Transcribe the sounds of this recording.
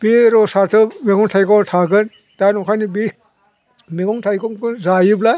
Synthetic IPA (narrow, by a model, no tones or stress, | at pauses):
b̥iɾɔsatʰɯmeɡɔŋtʰajkɔtʰaɡɯn | d̥anɔkʰajnibi | meɡɔŋtʰajkɔmkɯzajɯbla